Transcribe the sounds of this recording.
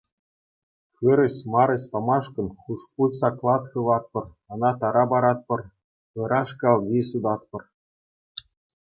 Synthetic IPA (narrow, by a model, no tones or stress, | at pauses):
xɯɾɘ̆ɕmɑɾɤ̆ɕʲpɑmɑʂkɤ̆nχuʂpusɑklˠɑt̪xɯ̆ʋɑt̪̚pɤ̆r | ɤ̆nɑt̪ɑɾɑbɑɾɑt̪̚pɤ̆r | ɤ̆ɾʔɑʂkɑlˠdʲisud̪ɑt̪̚pɤ̆r